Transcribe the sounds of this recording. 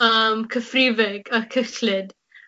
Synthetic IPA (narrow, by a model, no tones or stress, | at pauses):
əmkʰəfriːvɛɡakʰəklɪd